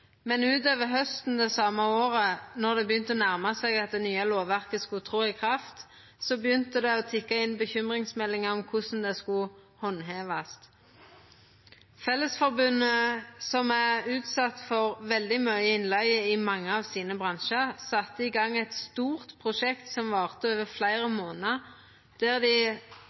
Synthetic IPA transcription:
mɛnʉːt̪̬øːʋəɦœst̪n̩d̪ɛsɑməoːʁənɔʁd̪ɛbəjʏnt̪əɔnæʁmɑsɛɡɑt̪̚d̪ɛnyːɑloːʋʋæʁkəskʊt̪ʰʁuːɪkʰʁɑft̪ | sɔbəjʏnt̪əd̪ɛɔt̪ʰɪkːɑɪnbəçʏmʁɪŋsmɛlːɪŋəɔmkʰʊsn̩d̪ɛskʊ | hɔnːɦeːʋɑst̪ | fɛlːəsfɔʁbʉnːəsɔmæʉːt̪sɑt̪fɔʁʋɛld̪ɪmœʏəɪnlæɪəɪmɑŋːəɑʋsiːnəbʁɑnʃəʁsɑt̪ːəɪɡɑŋːɛt̪st̪uːʁt̪pʰʁʊʃɛkt̪sɔmʋɑːʁt̪əøːʋəflæɪʁəmoːnəʁ | d̪̥æːʁd̪ɪ

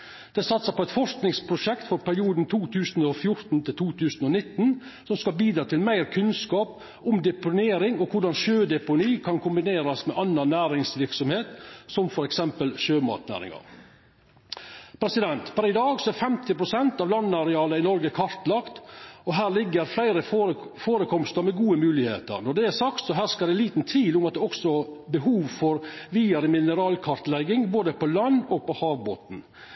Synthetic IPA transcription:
d̪̥ɛsɑt̪səpɔɛɪt̪fɔʂknɪŋspʰɾʊʃɛkt̪fɔɾpʰæɾɪuːd̪n̩t̪ʰuːt̪ʰʉːsnɔfjʊɾt̪n̩t̪ʰɪlt̪ʰuːt̪ʰʉːsn̩ɔnɪt̪ːn | sɔmskɑlbiːd̪ɾɑːt̪ʰɪlmæɪɾkʰʉnskɑːp | ʊmd̪ɛpʊneːɾɪŋɔkʰʊɖɑnʃøːd̪ɛpʊniːkʰɑnkʰʊmbɪneːɾɑsmɛʔɑnːɑnnæːɾɪŋsʋɪɾksɔmheːt̪sɔmfɔɾɛksɛmpəlʃøːmɑ̰ːt̪næ̰ːɾɪ̰ŋɑ̰ɾ | pʰɾɛsɪd̪ɛnt̪fɔɾɪd̪ɑːɡsɔæɾfɛmt̪ɪpɾʊsɛnt̪ɑːʋlɑnːɑɾɛɑːləɪnɔɾɡəkʰɑɾt̪lɑkt̪ɔɦæːɾlɪɡːəɾflæɪɾəfoːɾəkʰɔmst̪əɾmɛɡuːəmʉːlɪhḛːt̪ə̰ɾnɔɖ̪ɛæɾsɑkt̪sɔɦæːskɑd̪ɛliːt̪nt̪ʰʋiːlʊmɑt̪d̪ɛɔksɔbəɦuːʋfɔɾʋiːɑɾəmɪnəɾɑːlkʰɑɾt̪lɛɡɪŋboːd̪əpɔlɑnːɔɡ̚pɔhɑːʋbo̰ːt̪n̩

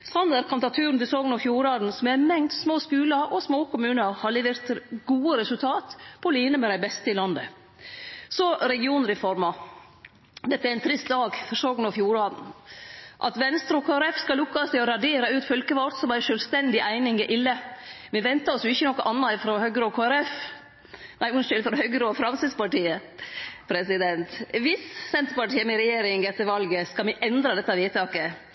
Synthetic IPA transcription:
sɑnæɾkʰɑmt̪ɑt̪ʰʉːɾnt̪ɪlsɔːɡn̩ɔfjuːɾɑːd̪n̩sɔmæmɛŋt̪smoːskʉːlɑʔɔsmoːkʰʊmʉːnəhɑɭɪʋəɾt̪ɡuːəɾɛsʉlt̪ʰɑːt̪pʰɔliːnəmɛd̪æɪbɛst̪əɪlɑnd̪ə | sɔɾɛɡɪuːnɾɛfɔɾmɑ | d̪ɛt̪əæɾæɪnt̪ʰɾɪst̪d̪ɑːɡfɔɾsoːɡnɑfjuːɾɑːd̪n̩ | ʔɑ̰t̪ʋɛnst̪ɾɔkʰoːæɾɛfskɑlʊkːɑst̪ɪɔɾɑɖeːɾɑʉːt̪fœlkəʋɔt̪sɔmæɪʂœlst̪ɛnd̪ɪʔæɪnɪŋɪʔɪlːəmɛʋɛnt̪ɑɔsjʊɪçːənɔkːɔʔɑnːɑɪfɾɔhœɡɾoːkʰoːæɾɛf | næɪʊnʃʏlfɾɔhœɡəɾoːfɾɑnsəspɑʈiːəpʰɾɛsɪd̪ɛnt̪ʋɪssɛnt̪əɾpɑʈiːəmɛɾɛjeːɾɪŋɡɛt̪ːəɾʋɑlɡəskɑlmɛʔɛnd̪ɾɑd̪ɛt̪ːɑʋiːt̪ʰɑːkə

